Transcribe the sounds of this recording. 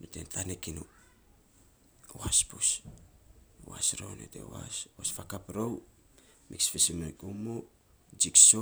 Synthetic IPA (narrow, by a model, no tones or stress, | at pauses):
notḛntʰanekinu | oaspus | o̰a̰sɾownotḛo̰a̰swasfakapɾow | miksfesimikumo | d͡ʒikso